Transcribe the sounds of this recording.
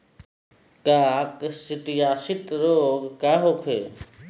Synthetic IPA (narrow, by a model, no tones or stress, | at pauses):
kaːksɪʈjaːsɪt̪ɾoːɡkaːɦoːkʰeː